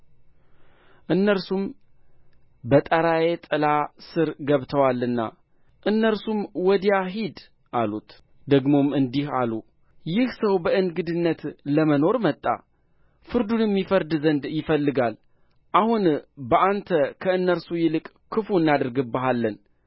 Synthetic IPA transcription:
ʔɨnːəɾsum | bət̪ʼəɾaje̞t̪ʼɨlasɨɾɡəβt̪ʰəwalːɨnːa̰ | ʔɨnːəɾsumwɔd̪jaɦid̪ | ʔalut̪ | d̪əɡmo̞mɨnd̪ihalu | jɪhsəwbəɨnɡɨd̪ɨnːət̪ləməno̞ɾmət̪ʼːa̰ | fɨɾd̪unjɛmːifəɾd̪zənd̪jɪfəlːɨɡal | ʔahunbəʔant̪ʰəkʰəɨnːəɾsujɪlɨkʼ | kʰːɨfuɨnːad̪ɨɾɡɨbːəɦalːən

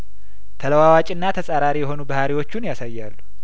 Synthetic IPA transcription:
t̪ʰələwawat͡ʃʼɨnːat̪ʰəsʼaɾaɾijɛho̞nubəhaɾiwo̞t͡ʃːunjasajːalːu

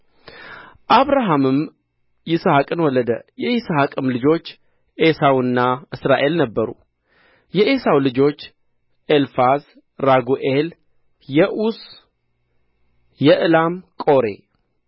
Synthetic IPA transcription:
ʔaβɾaɦamɨm | jɪsəhakʼɨnwɔləd̪əjɛjɪsəɦakʼɨmlɨd͡ʒo̞t͡ʃː | ʔesawɨnːaʔɨsɾaʔe̞lnəbːəɾṵ | jɛʔesawlɨd͡ʒo̞t͡ʃː | ʔelfaz | ɾaɡuʔel | jɛʔus | jɛʔɨlamkʼo̞ɾe

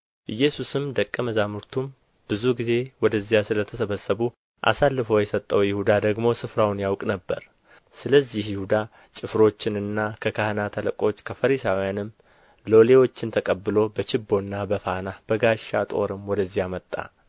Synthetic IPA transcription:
ʔɨjːɛsusɨmd̪əkʼːəməzamuɾt̪ʰum | b̥ɨzuɡize̞wɔd̪əzːijasɨlət̪ʰəsəβəsːəβu | ʔa̰salːɨfowjɛsət̪ʼːəwjɪhud̪ad̪əɡmo̞sɨfɾawnjawkʼnəbːə̰ɾ | sɨləzːihjɪhud̪a | t͡ʃʼɪfɾo̞t͡ʃːɪnɨnːakʰəkʰahɨnat̪ʰaləkʼo̞t͡ʃːkʰəfəɾisawijanɨm | lo̞le̞wo̞t͡ʃːɪnt̪ʰəkʼəbːɨlo̞bət͡ʃɪbːo̞nːabəfanab̥əɡaʃːat̪ʼo̞̰ɾɨmwɔd̪əzːijamət̪ʼːa̰

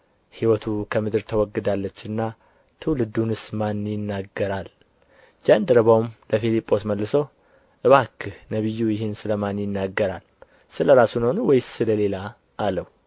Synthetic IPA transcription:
hiwɔt̪ʰukʰəmɨd̪ɨɾt̪ʰəwɔɡːɨd̪alːət͡ʃːɨnːa | t̪ʰɨwlɨd̪unɨsmanjɪnːaɡːəɾal | d͡ʒand̪əɾəβawmləfilipʼːo̞sməlːɨsəw | ʔɨβakʰːnəβɨjːujɪɦɪnsɨləmanjɪnːaɡːəɾal | sɨləɾasunhonwɔjssɨləle̞laː | ləhwu

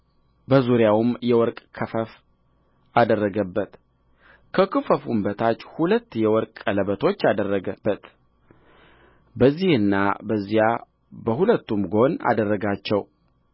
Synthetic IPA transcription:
bəzuɾjawmjɛwɔɾkʼkʰəfəf | ad̪ərːəɡəbːət̪ | kʰəkʰɨfəfumbət̪ʰat͡ʃːhulət̪ːjɛwɔɾkʼələβət̪ʰo̞t͡ʃːad̪ərːəɡəb̥ːət̪ | bəzːihɨnːa̰bəzːija | bəhulət̪ːumɡo̞na̰d̪ərːəɡat͡ʃːɛw

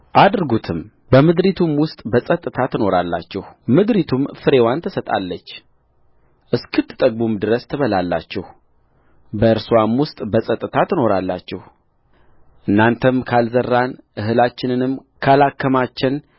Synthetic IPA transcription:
ʔad̪ɾɡut̪ʰɨm | bəmɨd̪ɾit̪ʰumwʊst̪ʼbəsʼət̪ʼːɨt̪ʰat̪ʰɨno̞ɾalːa̰t͡ʃːɛhmɨd̪ɾit̪ʰumfɨɾe̞want̪ʰəsət̪ʼa̰lːət͡ʃː | ʔɨskʰɨt̪ːɨ̥t̪ʼəɡ̚bumd̪ɨɾəst̪ʰəβəlalːa̰t͡ʃːɛh | bəɨɾswamwʊst̪ʼbəsʼət̪ʼːɨt̪ʰat̪ʰɨno̞ɾalːa̰t͡ʃːɛh | ʔɨnːant̪ʰəmkʰalzərːanʔɨhɨlat͡ʃːɪnɨnɨmkʰalakːəmat͡ʃːɪn

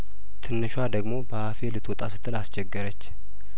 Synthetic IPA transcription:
t̪ʰɨnːɨʃwad̪əɡmo̞bəhafelɨt̪ʰwɔt̪ʼasɨ̥t̪ʰʼɨlast͡ʃɛɡːəɾət͡ʃː

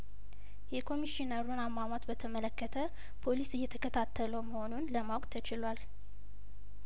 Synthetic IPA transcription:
jɛkʰo̞miʃinəɾunamːamat̪bət̪ʰəmələkːət̪ʰə | pʰo̞lisɨjːɛt̪ʰəkʰət̪ʰat̪ʰːələwməho̞nunləmawkʼt̪ʰət͡ʃɪlwal

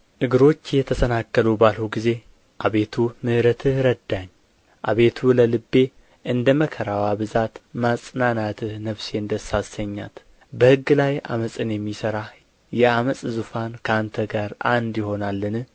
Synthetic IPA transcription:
ʔɨɡɨɾo̞t͡ʃːjɛt̪ʰəsənakːəlubalhuɡize̞ | ʔaβe̞t̪ʰumɨhɾət̪ʰɨhɾəd̪aɲː | ʔa̰βe̞t̪ʰuləlɨbːe̞ | ʔɨnd̪əməkʰəɾawabɨzat̪masʼnanat̪ʰɨhnəβse̞ɨnd̪əsasəɲːa̰t̪ | bəhɨɡːɨlaja̰məsʼɨnjɛmːisəɾa | jɛaməsʼzufankʰəant̪ʰəɡaɾʔa̰nd̪jɪho̞nalːɨnɨh

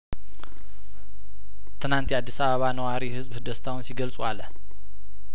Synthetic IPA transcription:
t̪ʰɨnant̪ʰiad̪ːisaβaβanɐwaɾihɨzbhɨd̪ɐst̪ʰawunsiɡɐlt͡sʼualːɐ

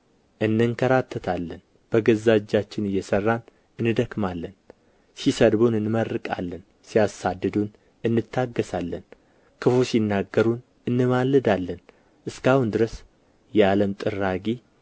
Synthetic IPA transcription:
ʔɨnːɨŋkʰəɾat̪ʰːət̪ʰalːən | b̥əɡəzad͡ʒːat͡ʃːɪnɨjːɛsərːan | ɨnɨd̪əkmalːən | sisəd̪bonɨnmərːɨkʼa̰lːən | sijasad̪ːɨd̪un | ɨnːɨt̪ʰːaɡːəsalːən | kʰɨfusinːaɡəɾun | ɨnːɨmalːɨd̪alːən | ʔɨskahund̪ɨɾəs | jɛaləmt̪ʼɨrːaɡi

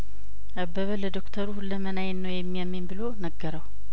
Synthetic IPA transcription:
ʔabːəβələd̪okt̪ʰəɾuhulːəmənajɛnːəwjɛmːijamːembɨlonəɡːəɾəw

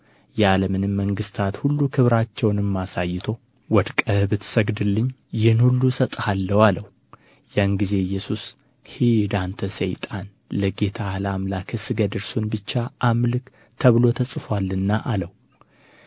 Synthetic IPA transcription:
jɛaləmɨnɨmːəŋɡɨst̪ʰat̪hulːukʰɨβɾat͡ʃːɛwnɨmːasajːɪt̪ʰo̞ | wɔd̪kʼəhbɨt̪səɡd̪ɨlːɨɲːjɪhnhulːusət̪ʼhalːəwaləw | janɡize̞jːɛsus | hid̪ant̪ʰəsə̰jt̪ʼan | ləɡe̞t̪ʰahlamlakʰɨsɨɡəd̪ɨɾsunbɨt͡ʃːaʔamlɨk | t̪ʰəβlo̞t̪ʰəsʼfwalːɨnːaʔaləw

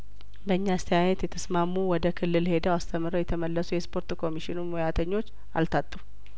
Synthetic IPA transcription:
bəɨɲːast̪ʰəjajɛt̪jɛt̪ʰəsmamːuwɔd̪əkʰɨlːɨlhe̞d̪əwast̪ʰəmɾəwjɛt̪ʰəməlːəsujɛspʰo̞ɾt̪kʰo̞miʃinumojat̪ʰəɲːo̞t͡ʃː | a̰lt̪ʰat̪ʼːu

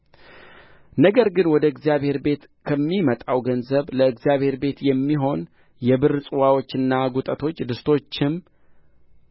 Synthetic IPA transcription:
nəɡəɾɡɨnwɔd̪əɨɡzijaβhe̞ɾbe̞t̪ | kʰəmːimət̪ʼawɡənzəβləɨɡzijaβhe̞ɾbe̞t̪jɛmːiɦo̞n | jɛbɨɾsʼɨwawo̞t͡ʃːɨnːaɡut̪ʼət̪ʰo̞t͡ʃːd̪ɨst̪ʰo̞t͡ʃːɪm

